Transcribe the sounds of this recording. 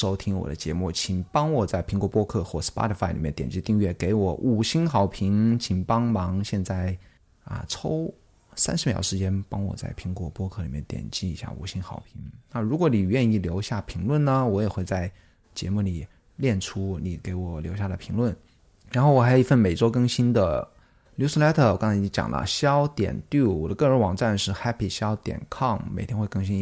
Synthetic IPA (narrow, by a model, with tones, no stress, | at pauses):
ʂo˥ʊt̪ʰi˥ŋwɔ̰˨˩d̪ə̰˦t͡ɕjɛ˧˥mu˥˩t͡ɕʰi˨˩ŋpɑ˥ŋwɔ˨˩t͡sa˥˩ɪpʰi˧˥ŋkwɔ˧˥pwɔ˥kʰɤ˥˧xwɔ˥˩s̩˥pa̰˥ɾə˧˩fa˥ɪli˨˩mjɛ˥˩nt̪jɛ˨˩nt͡ɕi˥˧t̪i˥˧ŋɥɛ˥˩ke˧˥ɪwɔ˨˩˦ʔu˨˩ɕi˥nxɑ˨˩ʊpʰi˧˥ŋt͡ɕʰi˨˩ŋpɑ˥ŋmɑ˧˥ŋɕjɛ˥˧nt͡sa˥˩ɪ | ə̰˧ʈ͡ʂʰo˥ʊ | sa˥nʂɻ̩˧˥mjɑ̰˨˩ʊʂɻ̩˧˥t͡ɕjɛ˥npɑ˥ŋwɔ̰˨˩t͡sa˥˩ɪpʰi˧˥ŋkwɔ˧˥pwɔ˥kʰɤ˥˩li˨˩mjɛ̰˥˩nt̪jɛ̰˨˩nt͡ɕi˥˩i˧˥ɕja̰˥˩ṵ˨˩ɕi˥nxɑ˨˩ʊpʰi˧˥ŋna˥˩ɻu˧˥kwɔ˧˥ni˨˩ɥɛ˥˧ni˥˩ljo˧˥ʊɕja˥˩pʰi˧˥ŋlwə˥˩nnə˩wɔ˧˥jɛ˨˩xwe˥˧ɪt͡sa˥˩ɪ | t͡ɕjɛ̰˧˥mu˥˩li˨˩ | ljɛ˥˩nʈ͡ʂʰu˥ni˨˩ke˧˥ɪwɔ˨˩˦ljo˧˥ʊɕja˥˩lə˨˩pʰi˧˥ŋlwə˥˩n | ɻa˧˥nxʊwɔ˨˩a˧˥jo˨˩i˧fə˥˩nme˨˩ɪt͡swɔ˥kɤ˥˧ŋɕi˥nd̪ə˨ | lju˥su˥la˥t̪ʰɤ˥˩˨kɑ˥ŋt͡sʰa˧˥˧t͡ɕjɑ̰˨˩ŋlə̰˦ɕjɑ˥ʊt̪jɛ̰˨˩nt̪y˥˩wɔ˨˩d̪ə˦kɤ˥˩ɻə˧˥nwɑ˨˩ŋʈ͡ʂa˥˧nʂɻ̩˥˩xa˥pʰi˨˩ɕjɑ˥ʊt̪jɛ̰˨˩nkʰɑ˥˩ŋme˨˩ɪtʰjɛ˥nxwe˥˧ɪkɤ˥˧ŋɕi˥n˥